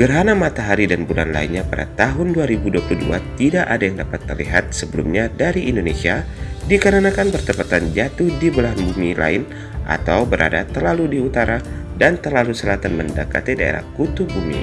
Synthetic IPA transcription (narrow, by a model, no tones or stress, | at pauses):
ɡ̥ərɦanamat̪aɦaɾidanbulanla̰ɪnɲapada̰t̪aɦʊnduaɾibuduapluhdṵa̰t̪idaʔadajaŋdapat̪ːərliɦat̪̚səbəlumɲadaɾiʔindonesia | dikaɾanakanpərt̪əpat̪and͡ʒat̪ʊhdibəlaɦanbumilʔa̰ɪn | ʔa̰t̪awbəɾʔa̰dat̪ərlaludiut̪aɾadant̪ərlalusəlat̪anmənda̰ka̰t̪idaḛɾa̰hkut̪ubumḭ